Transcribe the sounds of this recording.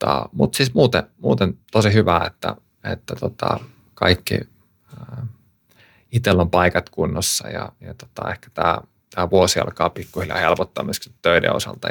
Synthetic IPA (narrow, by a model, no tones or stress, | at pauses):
t̪ɑmut̪siːsmuːt̪emuːt̪ent̪osihyʋæet̪ːæ | et̪ːæt̪ot̪ɑ | kɑikːḭ | it̪elːompɑikɑt̪kunːosːɑjɑjɑt̪o̥t̪ɑehkæ̥t̪æː | t̪æːʋuosiɑ̰lkɑːpikːuhiljɑ̰helpot̪ːɑmyskit̪t̪øidḛosɑ̰lt̪ɑ